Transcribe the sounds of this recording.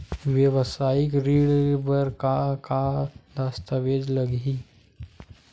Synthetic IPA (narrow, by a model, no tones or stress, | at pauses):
ʋjəʋsaːɪkɾiːɽbəɾkakad̪aːst̪aʋeːd͡ʒləɡi